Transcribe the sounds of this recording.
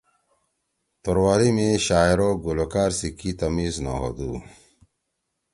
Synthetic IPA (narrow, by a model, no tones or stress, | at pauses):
t̪oɾwaːɾimiɕaːiɾoɡulokaːɾsikit̪ɐmiːzna̰ɦo̰d̪uː